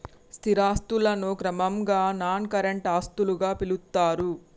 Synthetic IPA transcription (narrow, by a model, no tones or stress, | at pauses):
st̪ʰiɾaːst̪ulɐnukɾɐmɐmɡaːnaːnkɐɾeɳʈaːst̪uluɡaːpilut̪ːaːɾu